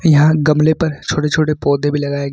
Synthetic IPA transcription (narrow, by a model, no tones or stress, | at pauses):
jɐɦãɡɐmlepɐɾt͡ʃʰoːʈet͡ʃʰoːʈepɔːd̪ʱebʱilɐɡaːeɡ